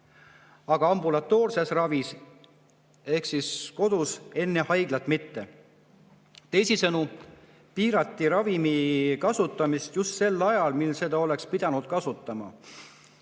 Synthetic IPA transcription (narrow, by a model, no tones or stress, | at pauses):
ɑɡ̥ɑɑmbulɑt̪ˑːo̞ːrse̞srɑvis | e̞hksisko̞d̪̥use̞nːe̞hɑjɡ̥lɑt̪mit̪ːe̞ | t̪e̞jsisɤnu | piːɾɑt̪ˑːiɾɑvimikɑsut̪ːˑɑmist̪just̪se̞lːɑjɑlmilse̞d̪̥ɑo̞le̞kspid̪̥ɑnud̪̥̚kɑsut̪ːˑɑmɑ̰